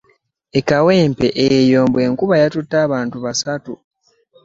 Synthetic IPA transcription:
e̞kawe̞ːmpe̞ʔejjo̞ːmbwe̞ːŋkuβajatutːaːβaːntuβasatu

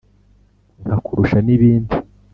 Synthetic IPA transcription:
ŋhakuɾuʃaniβiːndi

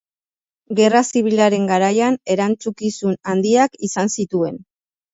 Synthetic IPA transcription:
ɡe̞rasiβ̞ilaɾe̞ŋɡaɾajane̞ɾant͡sukisunand̪iakisansit̪ue̞n

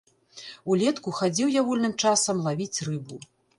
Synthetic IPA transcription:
ulʲɛt̪kuxad͡zʲiwjaɣulʲnɨmt͡ʂasɐmlˠavʲit͡sʲrɨbu

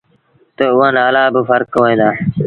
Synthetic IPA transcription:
t̪əʊɦãːnaːlaːbɪfəɾkːoːẽːd̪aː

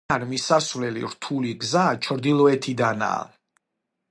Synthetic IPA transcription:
anmisasvlɛlḭɾt̪ʰuliɡzat͡ʃʰɾd̪ilˠɔɛt̪ʰid̪ana̰ː

